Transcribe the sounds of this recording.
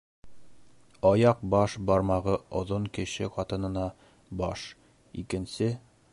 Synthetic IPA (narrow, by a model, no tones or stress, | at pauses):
ɒjɑq̚bɒʃbɒɾmɑʁɤŏðoɴkɘ̆ɕɘqɒt̪ɤ̆nɤ̆nɑ | bɒʃ | ikɘ̆nsɘ